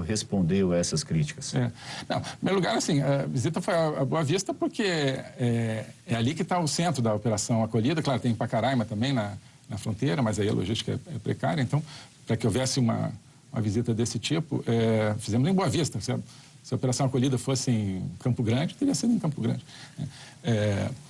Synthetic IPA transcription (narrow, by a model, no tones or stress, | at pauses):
hespõnd̪ewaɛsɐskɾit͡ʃi̥kɐsɛnɐ̰̃w̃mejʊluɡaɾasĩavizit̪ɐfojɐɐboɐvist̪ɐpoɾkʰeɛɛalikɪt̪aʊsẽnt̪ɾʊd̪ɐopeɾasɐ̃w̃akoʎid̪ɐklaɾʊt̪ẽj̃pakaɾajmɐt̪ɐ̃mbẽj̃nɐ | nɐfɾõnt̪ejɾɐmɐzaiɐ̰lʔo̰ʒist͡ʃi̥kɐɛ̰ɛpɾḛkaɾjɐẽnt̪ɐ̃w̃pɾɐkɪowvɛsɪũmɐ̰ | ũmɐ̰vizit̪ɐd̪esɪt͡ʃipʊ̰ʔɛfizẽmʊzẽj̃boavist̪ɐsɪɐ | sɪɐopeɾasɐ̃w̃akoʎid̪ɐfosɪẽj̃kɐ̃mpʊɡɾɐ̃d͡ʒɪt̪eɾiɐsid̪ẽkɐ̃mpʊɡɾɐ̰̃d͡ʒɪnɛ̰ɛ